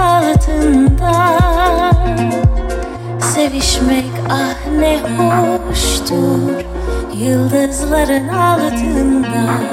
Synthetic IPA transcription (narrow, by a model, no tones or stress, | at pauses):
alˠt̪ʰɯnd̪a | se̞viʃmɛcahnɛhoʃt̪ʰuɾ | jɯlˠd̪ɯzlˠaɾɯnalˠɯt̪ʰɯnd̪a